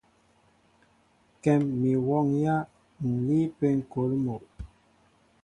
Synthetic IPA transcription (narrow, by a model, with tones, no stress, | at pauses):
kɛ˨mːi˨wɔ˦˨ŋja˦ | ŋ̩˨li˦pe˦ŋ̩˨ko˨˦lmo˨ʔ